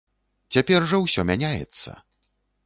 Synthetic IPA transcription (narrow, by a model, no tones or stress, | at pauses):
t͡sʲapʲɛrʐɐwsʲɔmʲanʲajɛ̰t̪sːɐ̰